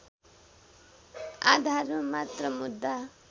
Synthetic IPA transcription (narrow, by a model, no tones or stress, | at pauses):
a̰d̪ʱaɾmamat̪rʌmud̪ːa